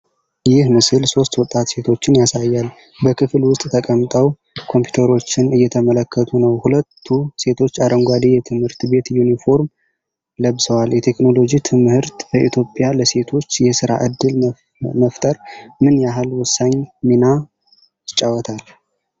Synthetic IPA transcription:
jɪhmɨsɨlso̞st̪wɔt̪ʼːat̪se̞t̪ʰo̞t͡ʃːɪnjasajːal | bəkʰɨflwʊst̪ʼt̪ʰəkʼəmt̪ʼəw | kʰo̞mpju̥t̪ʰəɾo̞t͡ʃːɪnɨjːɛt̪ʰəmələkːət̪ʰʼunəwhulət̪ʰːuse̞t̪ʰo̞t͡ʃːaɾəŋɡʷad̪ijɛt̪ʰɨmhɨɾt̪be̞t̪junifo̞ɾm | ləβsəwaljɛt̪ʰe̞kno̞lo̞d͡ʒit̪ʰɨmhɨɾt̪bəʔit̪ʰjo̞pʼːjaləse̞t̪ʰo̞t͡ʃːjɛsɨɾa̰ʔɨd̪ːɨl | məft̪ʼəɾmɨnjaɦalwʊsːaɲmina | ɪt͡ʃʼːawɔt̪ʰal

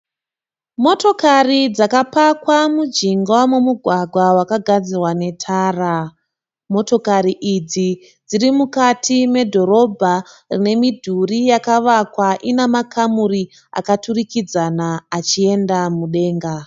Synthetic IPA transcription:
mo̞to̞karid͡zakapakwamud͡ʒiŋɡwamumuɡʱwaɡʱwawakaɡʱad͡zirwane̞tʰaːra | mo̞to̞kaɾiʔid͡zi | d͡ziɾimukatʰime̞dʱo̞ɾo̞bʱarḭne̞midʱurijakaʋakwaʔinemakʰamuri | a̰katurikid͡zanaːt͡ʃie̞ndamuɗe̞ːŋɡa

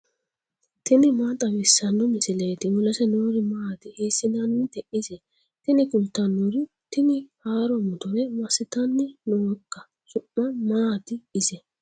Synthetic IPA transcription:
t̪ɪnɪmaːt̪ʼɐmɪsːɐnːɔmɪsɪleːt̪ɪwʊlɐsɛnoːɾɪmaːt̪ɪheːsɪdɐnːɪt̪ɛʔɪsɛ | t̪ɪnɪkʼʊlt̪ːɐnːɔɾɪ | t̪ɪnɪhaːɾɔmʊt̪ɔɾɛmɐsɪt̪ɐnːɪnoːkːɐ | sʊʔːɐmaːt̪ɪɪsɛ

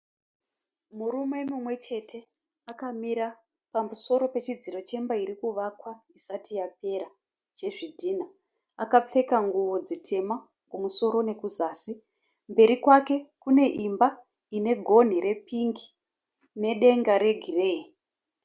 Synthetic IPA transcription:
muɾume̞numwe̞t͡ʃe̞tʰe̞ | akamiɾa | pamuso̞ɾo̞pe̞t͡ʃid͡ziɾo̞t͡ʃe̞mbaiɾikuʋakwaisatijape̞ɾa | t͡ʃe̞ʐidʱina | akap͡fe̞kaŋɡuʋo̞d͡zitʰe̞ma | kumuso̞ɾo̞ne̞kuzaːsi | mbe̞ɾikwake̞kune̞ʔimba | ine̞ɡʱo̞n̤iɾe̞piŋɡi | ne̞ɗe̞ŋɡaɾe̞ɡʱireːi

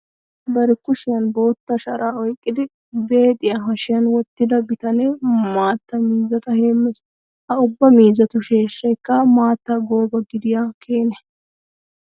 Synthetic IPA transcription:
bɐɾɪkːʊʃɪjɐnbo̞ːt̪ːɐʃɐɾaːɔjkʼːɪd̪ɪ | be̞ːt̪ʼɪjaɦɐʃɪjɐnwɔt̪ːɪd̪ɐbɪt̪ɐnɛmaːt̪ːɐmiːzɐt̪ɐheːmːɛs | ʔɐʊbːɐmiːzɐt̪ʊʃeːʃːɐjkːɐmaːt̪ːɐɡo̞ːbɐɡɪd̪ɪjaːkʰe̞ːnɛ

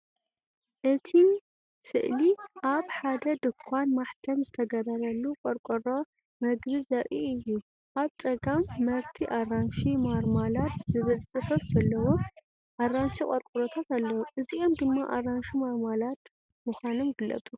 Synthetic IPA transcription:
ʔɨt̪ʰi | sɨʔliʔaβħad̪ɐd̪ɨkʰːanmaħt̪ʰɐmzɨt̪ʰɐɡɐɾɐɾɐlːukʼɔɾkʼɨɾo | mɐɡβizɐʔʼiɨjːu | ʔaβt͡sʼɐɡamːɐɾt̪ʰiʔaranʃimaɾmalat̪zɨβɨzɨħɨβzɐlːɐwo | ʔarːanʃikʼɔɾkʼuɾot̪ʰat̪alːɐwomʔɨziʔo̞md̪ɨmːaʔaranʃimaɾmalat̪ | mɨxʷanomɡɨlːɐ̰t̪ʼu

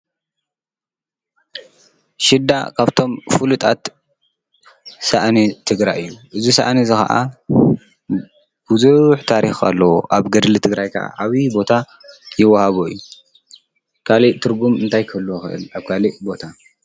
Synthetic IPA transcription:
ʃɪd̪a̰kʰaβt̪ʰo̞mfulut̪ʼat̪ | saʔnit̪ʰɨɡɾajɨjːuʔɨzisa̰ʔnizɨxɐ̰ʔa̰ | b̥uzuħt̪ʰaɾixa̰lːɐwoʔaβɡɐd̪lɨt̪ʰɨɡɾajkʰɐ̰ʔa̰ʔaβibo̞t̪ʰa | jɪwːɐhaβoɨjːu | kʰaliʔt̪ʰɨɾɡumɨnt̪ʰajkʰɨɨlːuoxɨʔɨ̰laβkʰaliʔbo̞t̪ʰa

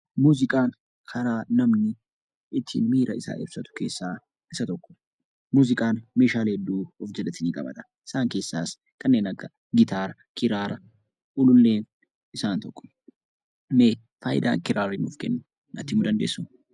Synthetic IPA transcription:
muːzɪkʼaːn | kʰɐɾaːnɐmnɪ | ɪt̪ʰːḭːnmiːɾɐɪsa̰ːʔɛbsɐt̪ʊ̥ke̞ːsːaː | ʔɪsɐt̪ɔkːɔ̥ | muːzɪkʼaːnmeːʃaːlhɛd̪ːuːɔfd͡ʒɛlɛt̪ɪniːkʼɐ̰bɐ̰t̪ɐ̥ | ʔɪ̥saːŋke̞ːsːaːs | kɐnːe̞ːnɐkːɐ | ɡɪt̪ʰaːɾɐ | kɪɾaːɾɐ | ʔʊlʊlːe̞ːn | ʔɪsaːnt̪ɔkːɔ̥ | meː | faːjɪ̰d̪a̰ːŋkɪɾaːɾɪnɔfkɛnːʊ | nɐt̪ːɪmʊːd̪ɐnd̪ḛːsːʊm

